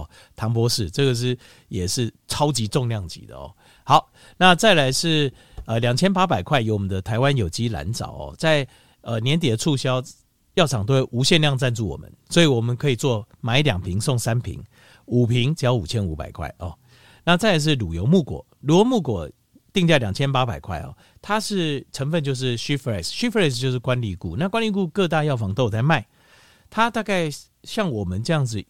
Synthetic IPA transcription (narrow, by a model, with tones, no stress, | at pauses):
t̪ʰɑ˧˥ŋpwɔ˦ʂɻ̩˥˩ʈ͡ʂɤ˥˩ɡə˨˩ʂ̬ɻ̩˥˩ | jɛ˨˩ʂɻ̩˥˨ | ʈ͡ʂʰɑ˥ʊt͡ɕi˧˥ʈ͡ʂʊ˥˧ŋljɑ˥˩ŋt͡ɕḭ˧˥d̪ə̰˨ɔ̰˥˩ | hɑ˨˦ʊ | na˥˧t͡sa˥˩ɪla˧˥ɪʂɻ̩˥˩ | ə˨ljɑ˨˩ŋt͡ɕʰjɛ˥npa˥pa˨˩ɪkʰwa˥ɪjo˧˥ʊwɔ˨˩mə˦nd̪ə˧t̪ʰa˧˥ɪwa˦njo˨˩ʊt͡ɕi˦˥la̰˧˦nt͡sɑ̰˨˩ʊɔ̰˨˩t͡sa˥˩ɪ | ə˨˩njɛ˧˦nt̪̬i˨˩d̪ə˦ʈ͡ʂʰu˥˧ɕjɑ˥˦ʊ | jɑ˥˩ʈ͡ʂʰɑ˨˩ŋt̪̬o˥˩ʔu˧˥ɕjɛ˥˧nljɑ˥˧ŋt͡sa˥˧nt͡su˥˩wɔ̰˨˩mə̰˨˦nswɔ˧˥i˨˩wɔ˨˩mə˨˦nkʰɤ˧˥i˨˩t͡swɔ˥˩ | ma˨˦i˥ljɑ˨˩ŋpʰi˧˥ŋso˥˧ŋsa˦˥npʰḭ˧˦˥ŋ | u˨˩pʰi˧˥ŋt͡ɕjɑ˧˦ʊu˨˩t͡ɕʰjɛ˦˥nu˧˥pa̰˨˩ɪkʰwa̰˥˩ɪʔɔ˨˩ | na˥˨t͡sa˥˩ɪ˧˦ʂ̬ɻ̩˥˩lu˨˩jo˧˦ʊmu˥˩kwɔ̰˨˩ | ɻu˧˥kɔ˨˩˦mu˥˩kwɔ˨˩ | t̪i˥˧ŋt͡ɕja˥˩ljɑ˨˩ŋt͡ɕʰjɛ˦˥npa˥ba˨˩ɪkʰwa̰˥˩ɪɔ̰˨˩ | t̪ʰa˦ʂɻ̩˥˩ʈ͡ʂʰə˧˥ŋfə˥˧nt͡ɕjo˥˧ʊʂ̬ɻ̩˥˩ɕy˥fə˧ɛ˥˩sɕy˥fə˧˥ɛ˥˩s̬t͡ɕjo˥˧ʊʂ̬ɻ̩˥˩kwa˦nli˥˧kṵ˥˨na˥˨kwa˥˦nli˥˧ku˥˧kɤ˥˧t̪̬a˥˧jɑ˥˩ʊfɑ˧˥ŋt̪o˥˧ʊt͡sʰa˧˦ɪma˥˩ɪ | t̪ʰa˦t̪a˥˧ka˥˩˧ɪ | ɕjɑ˥˩ŋwɔ˨˩mə˨˦nʈ͡ʂɤ˥˧jɑ˥˩ŋd͡zɹ̩˨˩